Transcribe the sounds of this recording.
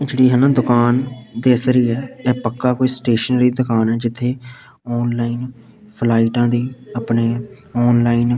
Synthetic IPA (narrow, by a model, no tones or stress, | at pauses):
d͡ʒeːɽiːɦənãːd̪ʊkaːnd̪eːsɾiːɛːɛːpəkːaːkoːiːsʈeːʃənɾiːd̪ʊkaːnɛːd͡ʒɪt̪ʰːeː | ɔːnlaːiːn | pʰlaːiːʈãːd̪iːapneː | ɔːnlaːiːn